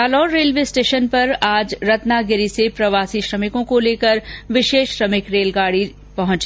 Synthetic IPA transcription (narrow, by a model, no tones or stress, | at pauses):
aːlɔːɾːeːlʋesʈeːʃənpɐɾaːd͡ʒɾɐt̪naɡɪɾisepɾɐʋaːsiʃɾɐmɪkõkoleːkəɾʋɪʃeːʃʃɾɐmɪkɾeːlɡaːɽi | pɐɦʊ̃t͡ʃː